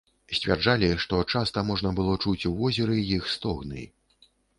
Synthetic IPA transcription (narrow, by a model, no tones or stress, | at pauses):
sʲt͡sʲvʲa̰rd͡ʐalʲiʂt̪ɔt͡ʂast̪ɐmɔʐnɐbɨlˠɔt͡ʂut͡sʲwvɔzʲɛɾɨjixst̪ɔɣnɨ̰j